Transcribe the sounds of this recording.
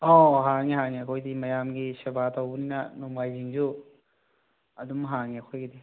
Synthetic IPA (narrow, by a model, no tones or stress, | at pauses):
oɦaŋiɦaŋiɐkʰojdimɐjamɡisebʱatowbuninɐnombajd͡ʒiŋd͡ʒu | ɐdumɦaŋiɐkʰojɡidi